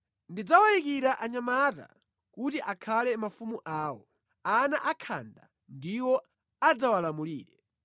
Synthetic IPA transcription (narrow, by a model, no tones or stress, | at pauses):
ndid͡zawajikiɾaʔaɲamata̰ | kutiʔakʰalɛmafumuʔaːwɔ | anaʔakʰa̰nda̰ | ndiwɔ | ad͡zawalamuliːɾɛ